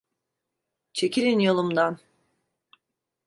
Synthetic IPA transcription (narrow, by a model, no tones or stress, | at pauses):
t͡ʃʰe̞ciɾinjo̞lˠumd̪an